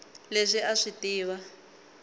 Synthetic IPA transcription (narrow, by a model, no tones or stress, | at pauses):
leʂiʔaʂitiːwa